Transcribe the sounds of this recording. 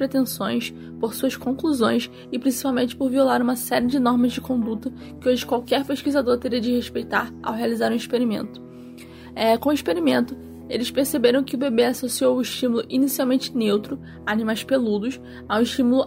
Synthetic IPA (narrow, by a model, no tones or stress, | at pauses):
pɾet̪ẽsõj̃s | poɾsuɐskõkluzõj̃s | ɪpɾĩsipawmẽnt͡ʃɪ̥poɾviolaɾũmɐsɛɾiɪd͡ʒɪnɔɾmɐzd͡ʒɪkõnd̪ut̪ɐ | kɪoʒɪkwawkɛɾpeʃkizad̪oɾt̪eɾiɐd͡ʒɪheʃpejt̪aɾa̰wɦealizaɾũiʃpeɾimḛ̃nt̪ʊ̥ | ɛkõiʃpeɾimẽnt̪ʊ | elɪʃpeɾsebeɾɐ̃w̃kɪʊbebeasosiowʊɪʃt͡ʃimulʊʔinisiawmẽnt͡ʃɪ̥newt̪ɾʊ | animajʃpelud̪ʊs | aũɪʃt͡ʃimulʊ